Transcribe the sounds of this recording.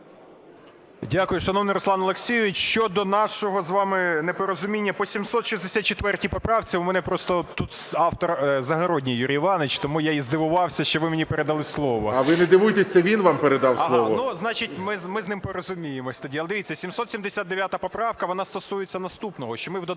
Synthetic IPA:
dʲakʊjʊʃɐnɔwnɪɾɔslˠɑnɔlˠeksʲijʊʋʲit͡ʃʃt͡ʃɔd̪ɔnɑʃɔɦɔzʋɑmɪnepɔɾɔzʊmʲinʲːɐpɔsʲimsɔt̪ʃizd̪esʲat̪̚t͡ʃet̪ʋɛrtʲipɔpɾɑwt͡sʲiʊmɛnɛpɾɔst̪ɔt̪ut̪ɑwt̪ɔrzɐɦɐɾodʲnʲijuɾʲijʋɑnet͡ʃt̪ɔmujajizd̪ɪʋʊʋɑwsʲɐʃt͡ʃɔʋɪmenʲipeɾed̪ɐlˠɪslˠɔʋɔ̰ɐʋɪned̪ɪʋujt̪esʲɐʋʲinʋampeɾed̪ɑwslˠɔʋɔnuznɑt͡ʃitʲmɪzmɪznɪmpɔɾɔzʊmʲijemɔsʲt̪ɐdʲiɐlˠɛd̪ɪʋʲitt͡sʲːɐsʲimsɔt̪sʲimd̪esʲad̪̚d̪eʋʲjat̪ɐpɔpɾɑwkɐʋɔnɑst̪ɔsujet͡sʲːɐnɐst̪upnɔɦɔʃt͡ʃɔmɪwd̪ɔ

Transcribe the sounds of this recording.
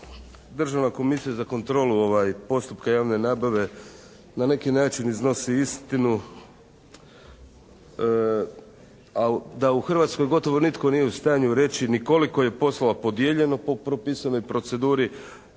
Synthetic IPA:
d̪r̩ʒaʋnako̞misijazako̞nt̪ɾo̞ːluo̞ʋajpo̞st̪upkajaːʋne̞naːbaʋe̞ | nane̞kinaːt͡ʃinizno̞siist̪inu | ad̪auxr̩ʋat̪sko̞jɡo̞t̪o̞ʋo̞nit̪ko̞nije̞ust̪aːɲuɾe̞t͡ʃiniko̞liko̞je̞po̞slˠolapo̞d̪jeʎe̞nopo̞pɾo̞piːsano̞jpɾo̞t̪se̞d̪uːɾi

